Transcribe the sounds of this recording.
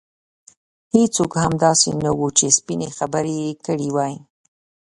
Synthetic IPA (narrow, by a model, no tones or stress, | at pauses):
het͡sokhamd̪ɑsenawut͡ʃespinexabəɾekəɽiwɑji